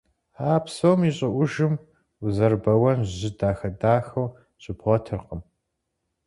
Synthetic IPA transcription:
aːpsowmiɕʼɪʔʷʊʒɨm | uzɐrbɐwɐnʒʑɪdaːxɐdaːxɐw | ɕʼɪpʰχʷɔtʰɨrqəm

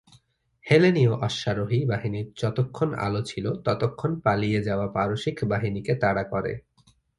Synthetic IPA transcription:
helenioʔɔʃːaɾoɦibaɦiniɾd͡ʑɔt̪okʰːona̰lot͡ɕʰilot̪ɔt̪okʰːonpalijed͡ʑaoapaɾoʃikʰbaɦiniket̪aɽakɔɾḛ

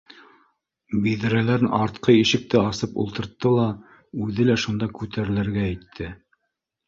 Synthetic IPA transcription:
biðɘ̆ɾælæɾɘnʔɑɾt̪qɤjiʃɘ̆k̚t̪ɘɑsɤpṵlˠt̪ɤ̆ɾt̪ːɤlˠɑ | ʉðɘlæʃund̪ɑkʉt̪ʰæɾɘ̆lɘ̆ɾɡæːjt̪ʰːɘ

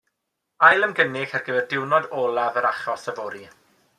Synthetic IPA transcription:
ajlˠəmɡənɪxarɡəvɛrdɪwnɔdɔːlˠavəɾaχɔsəvɔɾi

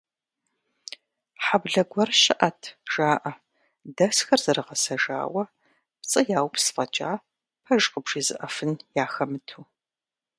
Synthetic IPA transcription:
ħabɮɐɡʷɐrʃɐʔɐtʰʒ̥aːʔɐ | dɐsxɐrzɐrɨʁɐsɐʒa̰ːwɐ | pt͡sʼɐjaːwpsfʼɐt͡ʃʼa̰ː | pʰɐʒqəbʂiːzɨʔɐfɨnjaːxɐmɨtʰuː

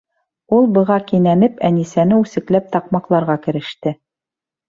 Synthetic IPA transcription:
ulˠbɤ̆ʁɑkinænɘpænisænɘʉsɘ̆klæp̚t̪ɑqmɑqlˠɑɾʁɑkɘ̆ɾɘ̆ʃt̪ɘ

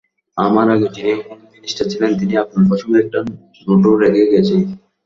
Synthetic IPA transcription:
amaɾaɡed͡ʑiniokonominiʃʈat͡ɕʰilent̪iniapnoɾpɔʃʰomɛk̚ʈa | noʈoɾekʰeɡɛt͡ɕʰen

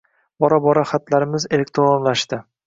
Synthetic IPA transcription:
bɒɾabɒɾaχat̪ʰlaɾɪmɪze̞le̞kt̪ʰɾonlaʃt̪ɪ

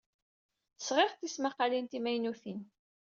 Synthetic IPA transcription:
θə̥sʁɪʁθismaqːalint̪imæjnuθin

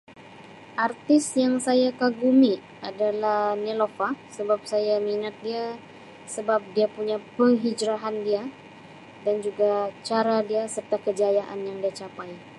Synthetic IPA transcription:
ʔart̪ɪsjaŋsajakaɡumi | adalahnelofasəbap̚sajaminat̪̚dia | səbap̚diapuɲapəɦid͡ʒɾaɦandia | dand͡ʒuɡat͡ʃaɾadiasərt̪akəd͡ʒajaʔa̰njaŋdiat͡ʃapaj

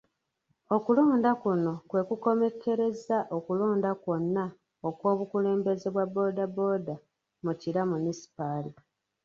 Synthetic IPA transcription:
o̞kulo̞ːndakuno̞kwe̞kuko̞me̞kʰe̞ɾe̞zaʔo̞kulo̞ːndakwo̞nːa | okwo̞ːβukule̞ːmbe̞ze̞βwabːo̞ːdabo̞ːda | muciɾamunisi̥paːli

